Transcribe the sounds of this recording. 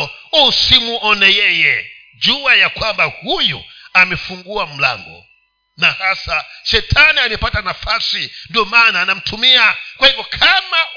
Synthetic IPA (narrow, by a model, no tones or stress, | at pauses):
usimuʔɔnɛjɛjɛ | d͡ʒuwajakwambahujɔ̰amɛfuŋɡuam̩la̰ŋɡɔ̰ | nahasaʃɛtʰanianɛpatanafasindiɔmanaːnam̩tʰumiakwahipɔkʰama